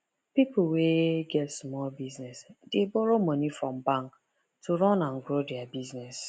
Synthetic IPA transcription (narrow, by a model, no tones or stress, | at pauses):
pipʊweɡɛtsmɔlbiznɛsdebɔɾomɔnifɾɔ̃m̩baŋk | tuɾɔnãn̩ɡɾodeabiznɛs